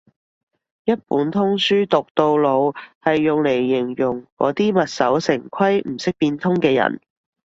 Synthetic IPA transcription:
jɐ˥t̚puː˨˥nt̪ʰʊ˥ŋsyː˥t̪ʊ˨k̚t̪o˧wlo˨˧whɐ˨jːʊ˨ŋle˨˩jːɪ˨˩ŋjʊ˨˩ŋkɔ̰ː˨˥t̪iː˥mɐ˨t̚sɐ˨˥wsɪ˨˩ŋkʰɐ˥jm̩˨˩sɪ˥k̚piː˧nt̪ʰʊ˥ŋkɛː˧jɐ̰˨˩n

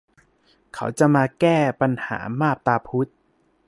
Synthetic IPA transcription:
kʰa̰˦˥wt͡ɕa˨˩ʔmaː˧kɛː˥˩pa˧nha̰ː˩˦maː˥˩p̚t̪aː˧pʰu˦˥t̪̚

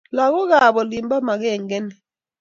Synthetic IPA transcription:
la˨kɔ˦k̬a˨ɓɔ˨li˨mba˦ma˨kɛ˦˨ŋɡɛ˦nɛ˨

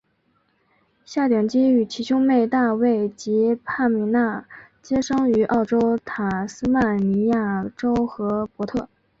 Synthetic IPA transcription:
ɕja˥˩t̪jɑ˨˩ŋt͡ɕi˥y˨˩t͡ɕʰi˧˥ɕʊ˥ŋme˥˧ɪt̪a˥˧we˥˩ɪt͡ɕi˧˥pʰa˥˩mi˧˥na˥˩t͡ɕjɛ˥ʂɑ˥ŋy˧˥ʔɑ˥˩ʊʈ͡ʂo˥ʊt̪ʰa˨˩sɹ̩˥ma˥˩nni˧˥ja˥˩ʈ͡ʂo˥ʊxɤ˧˥pwɔ˧˥t̪ʰɤ˥˩

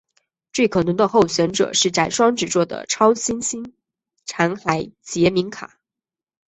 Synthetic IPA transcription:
t͡swe˥˩ɪkʰɤ˨˩nɤ˧˥ŋd̪ə˧xo˥˩ʊɕɥɛ˧˥nʈ͡ʂɤ̰˨˩ʂɻ̩˥˩ʈ͡ʂa˨˩ɪʂwɑ˥ŋʈ͡ʂɻ̩˨˩t͡swɔ˥˩d̪ə̰˩ʈ͡ʂʰɑ˥ʊɕi˥nɕi˥n | ʈ͡ʂʰa˧˥ŋxa˧˥ɪt͡ɕjɛ˧˥mi˧˥ŋkʰa̰˨˩˦

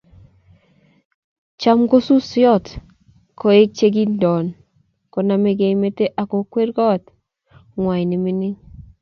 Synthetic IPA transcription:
t͡ʃa˦mɡo˦su˦sjɔ˦t | ko˨e˦k̚t͡ʃe˦ɡ̬i˦ndɔ˨n | kɔ˨na˨me˨ɡe˨i˦me˦te˦ʔa˨kɔ˨kwe˦ɾɡɔ˦˨t | ŋwa˨jnɪ˨mi˦nɪ˦ŋ

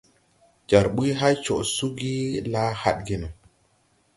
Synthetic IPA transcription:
d͡ʒa˨ɾɓu˦jɦa˦jt͡ʃo˨ʔsu˦ɡi˦la˦ha̰˦ɗ̚ɡi˦nu˨

